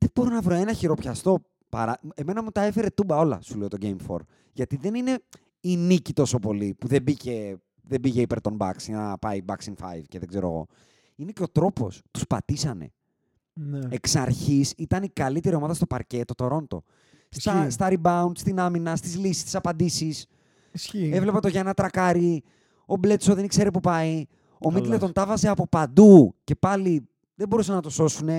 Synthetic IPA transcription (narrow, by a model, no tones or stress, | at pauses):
ðeb̥o̞ɾonɐvɾoenɐçiɾo̞pçɐst̪o̞ | pɐ̰ɾɐe̞me̞nɐmut̪ɐe̞fe̞ɾe̞t̪ubɐo̞lɐ̰suleot̪o̞ɟejmfo̞̰ɾ | ʝɐt̪iðe̞nine̞ | inicit̪o̞so̞po̞lipuðebice̞ | ðebiʝeipe̞ɾt̪o̞nbɐ̰ksinɐpɐibɐksiŋfɐ̰jvceðe̞ɡze̞ɾoɐ̰ɣo̞̰ | ineceo̞t̪ɾo̞po̞̰st̪u̥spɐt̪isɐne̞̰ | ne̞ksɐɾçisit̪ɐnikɐlit̪e̞ɾio̞mɐðɐst̪o̞pɐɾce̞t̪ːo̞t̪o̞ɾo̞nt̪o̞̰ | st̪ɐst̪ɐɾibɐund̪st̪inɐminɐst̪izlisi̥st̪i̥sɐpɐnd̪isis | e̞vle̞pɐt̪o̞ʝɐenɐt̪ɾɐkɐɾi | o̞ble̞t̪soðe̞nikse̞ɾepupɐi | o̞mit̪let̪o̞nt̪ɐvɐseɐpo̞pɐnd̪uce̞pɐli | ðebo̞ɾusɐnɐt̪o̞so̞sune̞